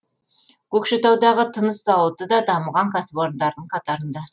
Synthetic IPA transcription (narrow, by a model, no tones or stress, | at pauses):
kʰɵkʃet̪ɑwd̪ɑʁət̪ʰənəsːɑwət̪əd̪ɑd̪ɑməʁɑŋkʰɑsboɾnd̪ɑɾd̪əɴqʰɑt̪ɑɾənd̪ɑ